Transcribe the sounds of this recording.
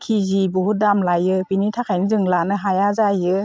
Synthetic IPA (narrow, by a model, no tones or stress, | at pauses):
kʰizibuɦudamlajɯbinitʰakʰajnɯzɯŋlanɯɦajazajɯ